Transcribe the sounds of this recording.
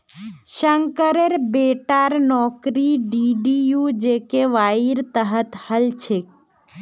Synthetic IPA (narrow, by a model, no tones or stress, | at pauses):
ʃəŋkəɾeɾbeʈaɾnɔkɾiɖiɖijud͡ʒekeʋaiɾt̪əɦət̪həlt͡ʃʰe